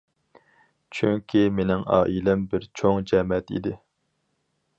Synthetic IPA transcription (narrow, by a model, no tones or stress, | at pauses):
t͡ʃʰyŋkʲʰimenɪŋɑ̰ːʔilɛmbɪɾt͡ʃʰoŋd͡ʒɛmɛt̪ḭd̪ɪ